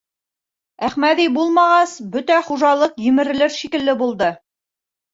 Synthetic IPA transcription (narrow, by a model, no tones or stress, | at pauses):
æχmæðibulˠmɑʁɑsbɵt̪æχuʒɑlˠɤqjɵ̆mɘ̆ɾɘ̆lɘɾʃikɘ̆lːɘbulˠd̪ɤ